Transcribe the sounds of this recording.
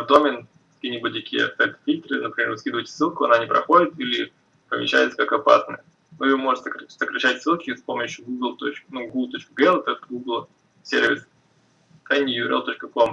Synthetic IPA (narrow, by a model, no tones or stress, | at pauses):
vd̪omʲɪn | kɐ̥kʲiːnʲɪbut̚ʲt̪ɐkʲijə̰st̪ɛt̪fʲit̪ɾɨnəpɾʲɪmʲe̞ɾskʲid̪əvətʲsɨlˠkʊɐ̰nanʲɪpɾɐ̰xo̞dʲɪt̪ilʲɪ | pəmʲɪ̰ɕːæ̰jɪt̪sə̥kakɐpa̰snə̰jə | noɪjomoʐɨt̪ʲsəkɾɐsəkɾɐɕːætʲsɨlˠkʲɪspoməɕʊɡuɡəlˠt̪ot͡ɕknuɡulˠt̪o̞t͡ɕkəɡəɛlˠt̪oɡuɡlˠ | sʲḛrvʲɪs | t̪ɛnʲjuɾḛlˠt̪ot͡ɕkəkom